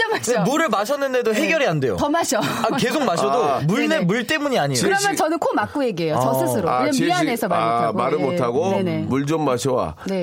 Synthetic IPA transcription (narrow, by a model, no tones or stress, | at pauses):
d͡ʑʌmaɕmuɾɯɭmaɕʰʌnːɯnde̞doɦe̞ɡjʌɾiɦande̞jo̰tʌmaɕʰʌake̞sʰok̚maɕʰʌdomuɭnemuɭt͈e̞muɲiaɲiokɯɾʌmjʌnt͡ɕʌnɯnkʰomak͈ueɡeɦejoʌsʰɯsʰɯɾoɯeianesʰʌmamoaɡomaɾɯmotʰaɡoenemuɭd͡ʑommaɕʰʌwa̰ne̞